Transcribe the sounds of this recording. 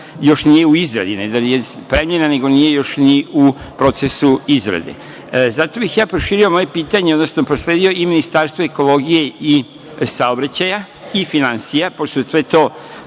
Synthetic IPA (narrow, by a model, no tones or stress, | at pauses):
jo̞ʃnije̞uizɾa̰d̪ined̪anijepɾemʎe̞nane̞ɡo̞nijejo̞ʃniu | pɾo̞t̪sesuizɾa̰d̪ḛ | zat̪o̞bixjaːpɾoʃiːɾio̞mo̞je̞piːt̪aɲeod̪nosnopɾosleːd̪ijo̞iminist̪aɾst̪ʋoeko̞lo̞ɡije̞i | saobɾat͡ɕaja | ifinansijapost̪osʋet̪o̞ː